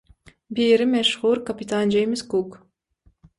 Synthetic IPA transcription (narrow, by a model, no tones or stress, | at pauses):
biːɾɪmɛʃʁuːɾkapʲit̪and͡ʒejmɪskuk